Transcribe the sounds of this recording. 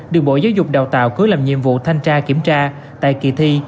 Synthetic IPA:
ɗɨ˨˩ək̚ɓo̰˧˩jzaː˨˦wzʊ˨˩k͡p̚ɗaː˨˩wt̪a̰ː˧˨wkɨ˨˦əlaː˨˩mɲḭ˧˨əmvṵ˧˨t̪ʰa˧jŋt͡ɕaː˧ki˧˩əmt͡ɕaː˧ | t̪a̰ː˧˨jki˨˩t̪ʰi˧

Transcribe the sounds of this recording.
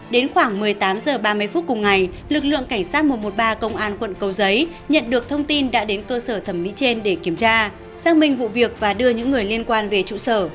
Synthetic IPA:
ɗe˨˦nxwaː˧˩ŋmɨ˨˩əjt̪aː˨˦mzəː˨˩ɓaː˧m˧jfu˦˥t̚kʊ˨˩ŋ͡mŋa˨˩j | lɨ˨˩k̚lɨ̰˧˨əŋka˧˩jŋ̟saː˦˥t̚mo˨˩t̚mo˨˩t̚ɓaː˧kə˧wŋ͡mʔaː˧nkwə̰˧˨nkə˧wzə˨˦j | ɲə̰˧˨nɗɨ˨˩ək̚t̪ʰə˧wŋ͡mt̪i˧nɗa̰ː˧˥ɗe˨˦nkəː˧səː˧˩t̪ʰə˧˩mːḭ˧˥t͡ɕe˧nɗe˧˩ki˧˩əmt͡ɕaː˧ | zaː˧ŋmï˧ŋ̟vṵ˧˨vi˨˩ək̚vaː˨˩ɗɨ˧əɲɨ̰˧˥ŋːɨ˨˩əjli˧ənkwaː˧nve˨˩t͡ɕṵ˧˨səː˧˩

